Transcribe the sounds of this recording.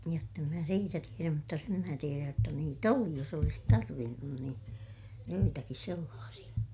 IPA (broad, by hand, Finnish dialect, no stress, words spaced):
jotː em mæ siːtæ tieræm mutːɑ sem mæː tieræj jotːɑ niːt oli jos olis tɑrʋinːun niːn joitɑkis selːɑːsij̆ɑ